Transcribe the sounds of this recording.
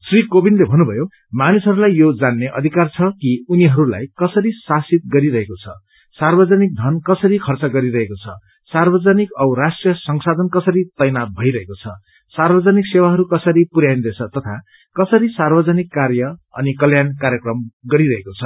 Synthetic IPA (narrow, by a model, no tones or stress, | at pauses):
srikobinlebʱʌnːubʱʌjo | manisɦʌɾulajːod͡zanːeʔʌ̰d̪ʱikart͡sʰʌkiuniɦʌɾula̰jkʌsʌɾisasit̪̚ɡʌɾiɾʌɦekot͡sʰʌ̰ | sarbʌd͡zʌnik̚d̪ʱʌnkʌsʌɾikʰʌrt͡sʌɡʌɾiɾʌɦekot͡sʰʌ | sarbʌd͡zʌnikʌbrasʈrijʌsʌŋsad̪ʱʌnkʌsʌɾit̪ʌjnabʱʌjɾʌɦekot͡sʰʌ | sarbʌd͡zʌniksewaɦʌɾukʌsʌɾipuɾjajnd̪et͡sʰʌt̪ʌt̪ʰa | kʌsʌɾisarbʌd͡zʌnikːarjʌʌ̰nikʌljankaɾjʌkrʌmɡʌɾiɾʌɦekot͡sʰʌ